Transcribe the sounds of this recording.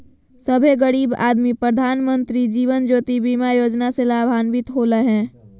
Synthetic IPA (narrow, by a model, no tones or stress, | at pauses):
səbʱeɡəɽiːba̰ːd̪mipɾəd̪ʱaːnmə̃nt̪ɾid͡ʒiːʋənd͡ʒoːt̪ibimajoːd͡ʒnaselaːbʱaːnʋɪt̪ɦoːləɦɛ̃ː